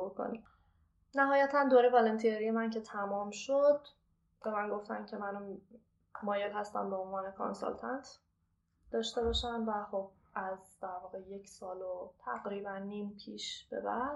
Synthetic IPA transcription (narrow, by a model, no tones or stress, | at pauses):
ukʰo̰ni | næɦɒːjæt̪ʰænd̪oːɾevɒːlent̪ʰieɾijemæncʰe̞t̪ʰæmɒːmʃod̪̥ | b̥emænɡo̞ft̪æ̰ncʰe̞mænum | mɒːjelhæst̪æ̰mbeonvɒːne̞kʰo̰nsɒ̰lt̪ʰɑnt̪ʰ | d̪ɒːʃt̪e̞bɒʃæmvæχob̥̚ | ʔæzd̪̥æɾvɒːɣe̞je̞cʰsɒːlot̪ʰæɣɾiːbænːiːmpʰiːʃb̥e̞̰bæd̪̥